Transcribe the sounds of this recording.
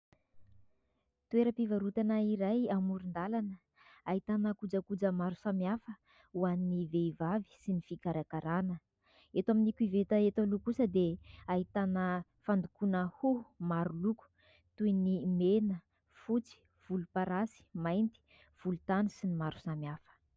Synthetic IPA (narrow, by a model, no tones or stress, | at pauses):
t̪ueɾəpivaɾut̪anəiɾajamuɾind̪alanə | ait̪anəkud͡zəkud͡zəmaɾusamjafə | uaniniveivavi̥sinifikaɾakaɾanə | et̪waminikuivet̪əet̪alukusəd̪eaɦit̪anə | fand̪ukunəhumaɾuluku̥ | t̪ujnimenə | fut͡si̥ | v̥ulupaɾasi̥majnt̪i̥ | v̥ulut̪anisinimaɾu̥samiafə̥